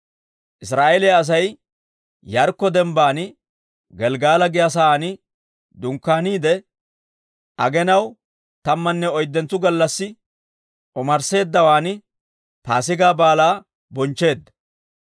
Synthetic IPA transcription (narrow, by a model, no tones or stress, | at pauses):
ʔɪs̬ɾaːʔelɛjaːs̬ɐj | jɐɾkːɔd̪ɛmbaːnɪ | ɡɛlɡaːlɐɡɪjɐs̬ɐaːnɪ | d̪ʊŋkːaːniːd̪ɛ | ʔɐɡɛnɐw | t̪ɐmːɐnːɛɔjd̪ːɛnt͡sːʊɡɐlːɐsːɪ | ɔmɐɾse̞ːd̪ːɐwaːnɪ | paːsɪɡaːbaːlaː | bɔnt͡ʃːe̞ːd̪ːɐ̥